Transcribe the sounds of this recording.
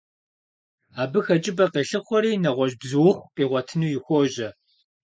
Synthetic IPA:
aːbɨxɐt͡ʃʼɪbɐqeːɬɨxʷɔɾiːnɐʁʷɔʑbzɨwʊxʷqiːʁʷɔtʰɨnuːjɪxʷoːʑɐ

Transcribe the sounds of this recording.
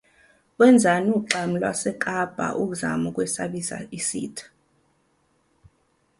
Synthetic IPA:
wɛnd͡zʱanuǀam̩lwa̰sɛkʼab̥ʱa̰ʔuk̬uza̰mukʼwɛsa̰ɓisa̰isḭːtʰḁ

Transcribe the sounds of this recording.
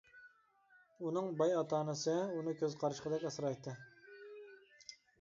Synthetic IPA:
unɨŋbɑjɑt̪ɑːnɨsɨunɨkʲʰøzqʰɑɾɨʃqʰəd̪ɛkʲɑsɾɑjt̪ʰːɨ

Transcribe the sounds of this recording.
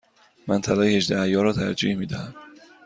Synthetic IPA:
mænt̪ʰælɒːjhed͡ʒd̪æhjɒːɾɒːt̪ʰæɾd͡ʒḭːhmiːd̪æhæm

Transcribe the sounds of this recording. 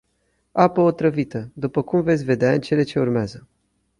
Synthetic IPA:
apəot̪ɾəvit̪əd̪upəkumve̞t̪sʲve̞d̪eaɨnt͡ʃe̞le̞t͡ʃe̞urmeazə

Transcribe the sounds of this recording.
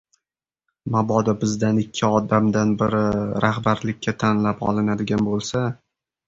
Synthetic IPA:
mabɒd̪abɪzd̪anɪkʲʰːɪɒd̪amd̪anbɪɾɪɾahbaɾlɪk̚ʲʰːat̪ʰanlapɒ̰lˠɪnad̪ɪɡʲanbolˠsa

